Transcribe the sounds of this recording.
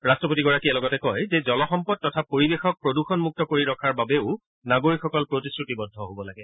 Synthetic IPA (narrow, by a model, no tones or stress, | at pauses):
ɹastɹɔp̬otiɡɔɹakiɛlɔɡɔtɛkɔjzɛzɔlɔxɔmpɔd̚tɔtʰapoɹibexɔk̚pɹoduxɔnmuk̚tɔkoɹiɹɔkʰaɹbabeʊ | naɡoɹikxɔkɔlpɹotiskɹutibɔdʱɔɦobɔlaɡɛ